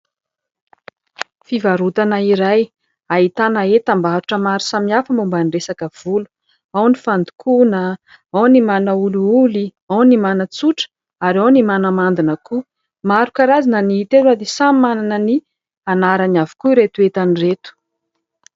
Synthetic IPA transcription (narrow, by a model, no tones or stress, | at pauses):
fivaɾut̪anaiɾaj | ait̪anaet̪ambaɾuʈ͡ʂəmaɾi̥samiafəmumbaniresakəv̥ulu̥ | awnifand̪u̥kʰunə | awnimanəuluuli | awnimanət͡suʈ͡ʂə̥ | aɾawnimanəmand̪inəku | maɾukaɾazanəniit̪elwad̪esamimananəni | anaɾaniavu̥kuiɾet̪uet̪aniret̪u̥